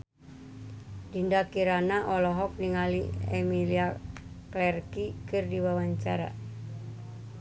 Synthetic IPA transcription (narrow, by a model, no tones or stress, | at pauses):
dindakiɾanaʔɔlɔɦɔk̚niŋalḭemilia | klɛrkikɨrdiwawaɲt͡ʃa̰ɾa̰